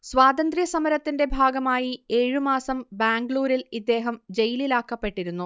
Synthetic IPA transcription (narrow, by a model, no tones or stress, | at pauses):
swaːd̪ɐnd̪rijɐsɐmɐɾɐt̪ːinde̞bʱaːɡɐmaːjie̞ːɻɨmaːsɐmbaːŋɡɭuːɾilid̪ːe̞ːɦɐmd͡ʑe̞jililaːkːɐpːe̞ʈːiɾunːu